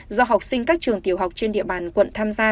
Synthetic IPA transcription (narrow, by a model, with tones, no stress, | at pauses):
zɔ˧ɦwk͡p̚sï˧ŋ̟kaː˦˥k̚t͡ɕɨ˨˩əŋt̪i˨˩əwɦa˨˩k͡p̚t͡ɕe˧nɗḭ˧˨əɓaː˨˩nkwə̰˧˨nt̪ʰaː˧mzaː˧